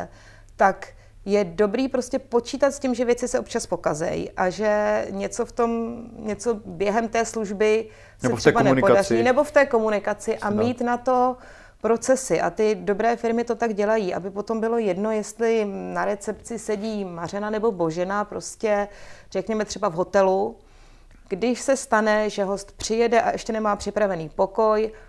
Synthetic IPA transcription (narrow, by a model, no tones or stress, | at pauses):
t̪ak | jɛdo̞bɾiːpɾoscɛpo̞t͡ʃiːt̪at̪scimʒɛvjɛt͡sɪsɛʔop̚t͡ʃaspo̞kazɛ̰jʔaʒɛɲɛt͡so̞ft̪o̞mɲɛt͡so̞bjɛɦɛmt̪ɛːsluʒbɪ | sɛʂɛbanɛnpodarinɛboft̪ɛːko̞munɪkat͡sɪʔamiːt̪nat̪o̞ | pɾo̞t͡sɛsɪʔa̰t̪ɪdo̞bɾɛːfɪɾmɪt̪o̞t̪aɡɟɛlajiːʔa̰bɪpo̞t̪ombɪlo̞jɛdno̞jɛst̪lɪnaɾɛt͡sɛpt͡sɪsɛɟiːmar̝ɛnanɛbo̞bo̞ʒɛnapɾo̞scɛr̥ɛkɲɛmɛt̪r̝ɛbavɦo̞t̪ɛlu | ɡ̥dɪʃsɛst̪anɛʒɛɦo̞st̪pr̝̥ɪjɛdɛʔa̰ʔɛʃcɛnɛmaːpr̝̥ɪpɾavɛniːpo̞ko̞j